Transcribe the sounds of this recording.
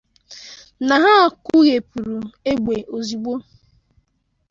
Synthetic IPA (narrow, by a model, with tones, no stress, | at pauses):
na˨ɦa˦˨ku˦ɣe˨pu˨ɾu˨e˦ɡ͡be˨ʔo˨zi˨ɡ͡bo˦